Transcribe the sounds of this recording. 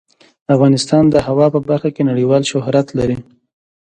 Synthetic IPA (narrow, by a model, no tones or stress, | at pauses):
afɣɑnɪst̪ɑnd̪əhawɑpəbaɾxakenaɽiwɑlʃʊhɾat̪laɾi